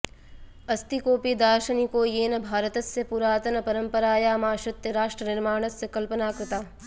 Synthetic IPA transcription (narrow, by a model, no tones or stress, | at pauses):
ɐst̪ikoːpid̪aːɾʃɐnikoːjeːnɐbʱaːɾət̪ɐsːepuɾaːt̪ɐnɐpɐɾɐmpɐɾaːjaːmaːʃɐt̪jɐɾaːʃʈɾənɪɾmaːɳ̃ɐsːɐkɐlpənaːkɾɪt̪aː